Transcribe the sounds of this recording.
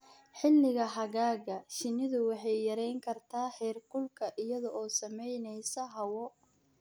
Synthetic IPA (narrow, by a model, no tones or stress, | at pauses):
ħɪlːɪɣɐɦɐɣaːɣɐʃɪnɪðʊwɑħɑjːɐɾɛjŋkʰɐrt̪ʰaːħɛːrkʊlkʰɐʔɪjɐðɔʔɔːsɐmɛjnɛjsɐɦɐwɔ